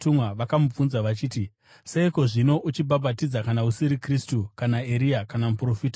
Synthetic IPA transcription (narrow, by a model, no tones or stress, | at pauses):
tumwaʋakamub͡vunzaʋat͡ʃiːti | se̞iko̞ʐino̞ʔut͡ʃibʱabʱatid͡zakanausiɾikristukanaeɾijakanamupro̞fiːta